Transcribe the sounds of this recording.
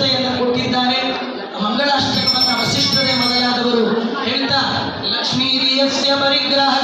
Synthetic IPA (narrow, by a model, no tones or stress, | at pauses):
ɐjɐnːɐko̞ʈːid̪ːaːɾe̞ | mɐŋɡɐɭaːʃʈɐkɐʋɐnːɐʋɐsiʂʈɾɐɡemɐd̪ɐjaːd̪ɐʋɐɾuheːɭt̪a | lɐkʂmiːɾijesjɐpɐɾiɡɾaɦɐ